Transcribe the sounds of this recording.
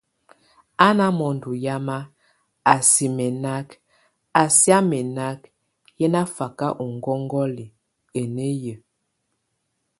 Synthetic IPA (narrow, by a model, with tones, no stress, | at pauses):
a˦na˦mɔ˨n˨du˨ja˦ma˦ | a˨si˨mɛ˨na˦k | a˨sja˦mɛ˨na˦k | jɛ˦na˦fa˨ka˦ʔu˨ŋ˨ɡɔ˦ŋɡɔ˦li˨ | e˨ne˦jə˨